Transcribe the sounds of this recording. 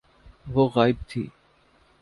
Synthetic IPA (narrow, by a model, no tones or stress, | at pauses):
ʋoːɣaːɪb̚t̪ʰḭː